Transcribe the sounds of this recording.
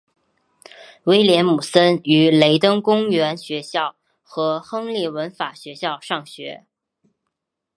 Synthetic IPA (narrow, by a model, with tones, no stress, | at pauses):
we˥ɪljɛ˧˥nmu˨˩sə˥ny˧˥le˧˥ɪt̪ɤ˥ŋkʊ˥ŋɥɛ˧˥nɕɥɛ˧˥ɕjɑ˥˩ʊ | xɤ˧˥xɤ˥ŋljɛ˥˩wə˧˥nfa˨˩ɕɥɛ˧˥ɕjɑ˥˧ʊʂɑ˥˩ŋɕɥɛ̰˧˥